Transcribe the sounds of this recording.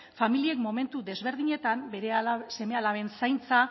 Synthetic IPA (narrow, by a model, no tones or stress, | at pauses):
familie̞kmo̞me̞nt̪uðe̞zβe̞ɾðiɲe̞t̪ambeɾese̞me̞alaβe̞nsajnt͡sa